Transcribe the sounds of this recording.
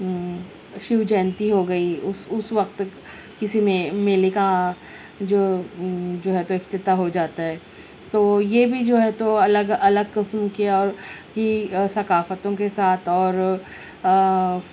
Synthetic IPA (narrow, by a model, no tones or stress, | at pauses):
ʃɪʋd͡ʒɛːnt̪iɦoɡɐiʊsʊsʋɐq̚t̪ | kɪsimẽmeːleka | d͡ʒoːd͡ʒoːɦɛt̪oɪft̪ɪt̪aɦod͡ʒaːt̪aɦɛː | t̪oːjebʱid͡ʒoːɦɛt̪oɐləɡɐləɡkɪsmkeɔːɾkisɐkaːfət̪õkesaːt̪ʰɔːɾ